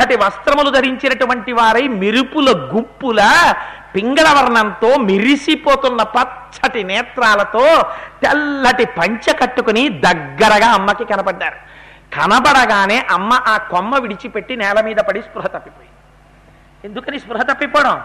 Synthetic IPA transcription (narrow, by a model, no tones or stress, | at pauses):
ɐʈiʋɐst̪ɾɐmulud̪ʱɐɾiɲt͡ʃinɐʈuʋɐɳʈiʋaːɾɐjmiɾupulɐɡupːulɐpiŋɡɐɭɐʋɐɾɳɐnt̪o̞ːmiɾisipoːt̪unːɐpɐtt͡ʃɐʈinɛːt̪ɾaːlɐt̪o̞ːt̪ɛlːɐʈipɐɲt͡ʃɐkɐʈːukunid̪ɐɡːɐɾɐɡaːɐmːɐkikɐnɐbɐɖːaːɾu | kɐnɐbɐɽɐɡaːne̞ːʔɐmːɐʔaːkomːɐʋiɽit͡ʃipe̞ʈːinɛːlɐmiːd̪ɐpɐɽispɾuɦɐt̪ɐpːipoːji | end̪ukɐniːspɾuɦɐt̪ɐpːipɔːɽɐm